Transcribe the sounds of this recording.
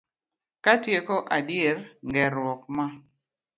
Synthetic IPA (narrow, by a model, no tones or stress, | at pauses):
katjekoʔadjeɾŋɡɛɾwɔkma